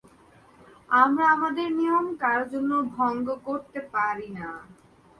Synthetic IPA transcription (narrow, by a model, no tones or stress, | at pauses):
amɾaamad̪eɾnijomkaɾd͡ʑonːobʱɔŋɡokoɾt̪epaɾina